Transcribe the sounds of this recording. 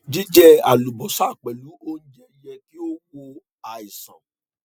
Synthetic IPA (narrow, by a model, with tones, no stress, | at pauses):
d͡ʒi˦d͡ʒɛ˦a̰˨lu˨bɔ˨sa˦˨k͡pɛ˨lu˨˦o˦n̩˦d͡ʒɛ˦jɛ˧ti˦o˦wo˧ | a˨i˨sã˨